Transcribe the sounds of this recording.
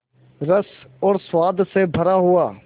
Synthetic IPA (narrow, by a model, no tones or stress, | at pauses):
ɾəsɔːɾswaːd̪ʱsebʱəɾaɦʊaː